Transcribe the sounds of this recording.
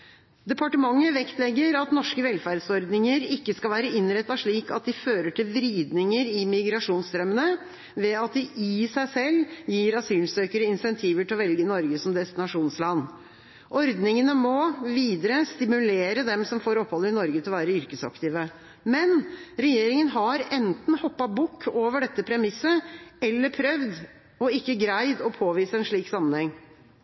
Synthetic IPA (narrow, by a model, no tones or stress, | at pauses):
d̪ɛpʰɑʈəmɑŋːəʋɛkt̪lɛɡːəɾɑt̪nɔʂkəʋɛlfæɾɖsɔɾd̪nɪŋəɾɪkːəskɑlʋæːɾəɪnɾɛt̪ːɑʂɭiːkɑt̪̚d̪ɪføːɾəʈʰɪlʋɾiːd̪nɪŋəɾɪmɪɡɾɑʂuːnst̪ɾœmənə | ʋɛɑt̪̚d̪ɪʔɪsæɪsɛlːjiːɾɑsyːlsøːkəɾəɪnsɛnt̪ʰiːʋəʈɪlɔʋɛlɡənɔɾɡəsɔmd̪ɛst̪ɪnɑʂuːnslɑnː | ʔɔɾd̪nɪŋənəmɔʋiːd̪əɾəst̪ɪmʉleːɾəd̪ɛmsɔmfoːɾɔpʰhɔlːəɪnɔɾɡət̪ɪlɔʋæːɾəʏɾkəsɑ̰kt̪ɪːʋə | mɛnɾɛjeːɾɪŋənɦɑɾɛnt̪n̩hɔpːɑbʊkʰːoːʋəɖɛt̪ːəpʰɾɛmɪsːəɛlːəɾpʰɾœʋd̪ | ɔɪkːəɡɾæɪd̪ɔpʰoːʋiːsəɛnʂɭiːksɑmːənhɛŋː